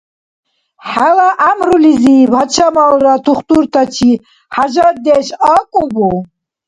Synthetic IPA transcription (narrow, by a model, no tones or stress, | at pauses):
ħalaʔamɾulizibat͡ʃʰamalɾat̪ʰuχt̪uɾt̪ʰat͡ʃʰi | ħaʒad̪ɛʃakʼubu